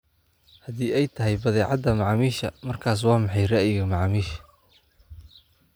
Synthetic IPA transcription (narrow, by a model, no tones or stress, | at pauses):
hɐðiːɛjt̪ʰɐɦɪjbɐðɛːʕɑd̪ːɐmɑʕmiːʃɐmɐrkʰaːs̬waːmɑħɑjrɛʔjɪɣɐmɑʕmiːʃ